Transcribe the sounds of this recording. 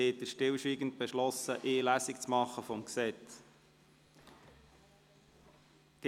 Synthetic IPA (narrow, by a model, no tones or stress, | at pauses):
eːtdəʃtɪlʃʋiːɡənt̪̚b̥eʃlɔsəʔɪːlæsik̚t͡smɑχːəfɔmksɛt͡s | ɡ̥